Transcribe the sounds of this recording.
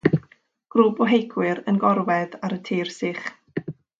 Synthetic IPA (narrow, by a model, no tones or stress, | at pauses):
ɡ̥ruːbɔɦejkʰwɪɾənɡɔɾwɛðaɾətʰiːrsɪχ